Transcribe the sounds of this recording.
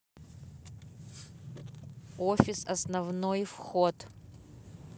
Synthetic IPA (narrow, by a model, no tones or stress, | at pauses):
ofʲɪsɐ̰snɐvnojfxot̪